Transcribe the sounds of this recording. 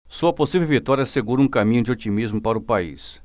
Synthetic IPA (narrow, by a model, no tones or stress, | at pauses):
suɐposivewvit̪ɔɾjɐseɡuɾũkamĩɲʊd͡ʒɪot͡ʃimizmʊpaɾʊpaḭs